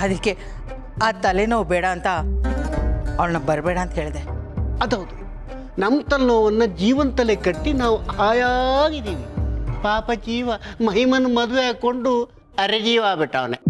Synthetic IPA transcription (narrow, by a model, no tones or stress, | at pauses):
ɐd̪ɐkːe | aːt̪ɐlenɐːʋubɛːɽɐːnt̪ɐ | ʋɐɭnɐbɐɾbeːɽɐːnt̪ɐɦeːɭid̪eɐd̪ɐʋd̪u | nɐmːt̪ɐlnoːʋɐnːɐd͡ʒiːʋɐnt̪ɐlekɐʈːinaːʋuaːjaɡid̪iːʋipaːpɐd͡ʒiːʋɐmɐɦimɐnumɐd̪ʋeaːɡkoɳɖu | ɐɾed͡ʒiːʋaːbeʈːaːʋne